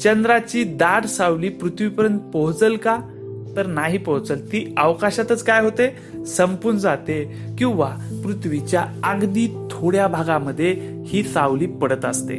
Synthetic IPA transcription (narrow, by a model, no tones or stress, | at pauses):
t͡ɕənd̪ɾat͡ɕiːd̪aɽsawliːpɾut̪ʰʋipəɾjənt̪̚pɔɦt͡səlka | t̪əɾnaɦiːpɔɦt͡səlt̪iːəʋkaɕat̪ət͡skajɦot̪e | səmpuɾnəd͡zat̪e | kĩw̃ʋapɾut̪ʰʋit͡ɕjaəɡd̪iːt̪ʰoɽjabʱaɡaməd̪ʱːje | hiːsawliːpəɽət̪əst̪ḛ